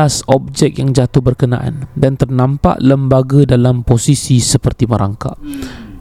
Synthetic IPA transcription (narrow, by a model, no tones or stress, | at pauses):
asɔb̚d͡ʒɛk̚jaŋd͡ʒat̪ʊhbərkəna̰ʔa̰ndant̪ərnãmpa̰ʔləmbaɡadalamposisisəpərt̪iməɾʔa̰ŋka̰ʔ